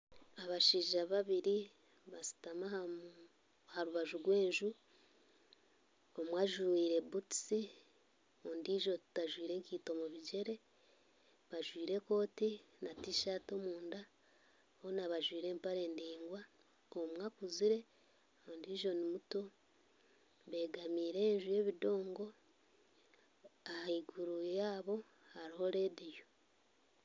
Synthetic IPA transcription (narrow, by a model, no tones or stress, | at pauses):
aβaʃiːʒaβaβiɾi | βasi̥tamaha | haɾuβaʒuɾwe̞ːɲʒu | omwaʒuwiːɾe̞buti̥si | ondiːʒo̞tu̥taʒwiːɾe̞ːŋkiːto̞moβiɟe̞ɾe̞ | βaʒwiːɾe̞ko̞ːtinatiʃato̞muːnda | honaβaʒwiːɾe̞ːmpaɾe̞ːndiːŋɡwa | omwakuziɾe̞ | ondiːʒo̞nimuto | βe̞ːɡamiːɾe̞ːɲʒuje̞ːβido̞ːŋɡo | ahaiɡuɾujaːβo̞ | haɾiho̞ɾeːdijo